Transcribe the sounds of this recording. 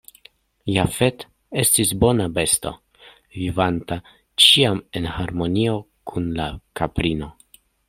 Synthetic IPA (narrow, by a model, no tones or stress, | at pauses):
jafe̞t | e̞stisbo̞nabe̞sto̞̰ | vivanta | t͡ʃiame̞nhaɾmo̞nio̞ | kʰunlakapɾino̞